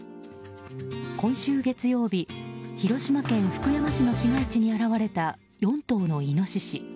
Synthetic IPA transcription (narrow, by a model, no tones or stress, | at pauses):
kõ̞ɰ̃ɕɨːɡe̞t͡sɨjo̞ːbʲiçiɾo̞ɕimakẽ̞ɰ̃ɸɯ̥kɯ̟jaβaɕino̞ɕiɡait͡ɕiɲ̟iaɾaβaɾe̞t̪a | jõ̞nt̪o̞ːno̞ino̞ɕiɕi